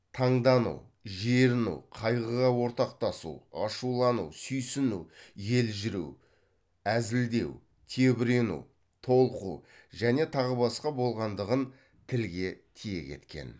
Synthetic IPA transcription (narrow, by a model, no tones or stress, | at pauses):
t̪ʰɑɴd̪ɑnṵw | ʒeɾɪnṵwqʰɑjʁəʁɑwo̞ɾt̪ɑq̚t̪ɑsṵwɑʃulˠɑnṵwsʏjsɪnuwje̞lʒɪɾuw | æzɪld̪e̞w | t̪ʰe̞bɪɾe̞nṵw | t̪ʰo̞lˠəqṵwʒæne̞t̪ʰɑʁəbɑsqɑbo̞lˠʁɑnd̪əʁən | t̪ʰɪlɡʲe̞t̪ʰije̞̰kʲʰe̞̰t̪kʲe̞̰n